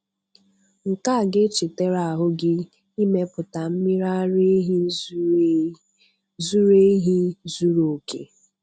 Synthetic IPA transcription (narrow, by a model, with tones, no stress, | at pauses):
ŋ̩˨ka˦˨ɡɪ˦t͡ʃɪ˨te˦ɾa˨a˨ɦʊ˦ɡɪ˦ | i˦me˦pʊ˨ta˨m̩˦mi˦ɾa˦ɾe˦ɦ | zu˦ɾe˦ɦi˦zu˦ɾo˨o˨kḛ˨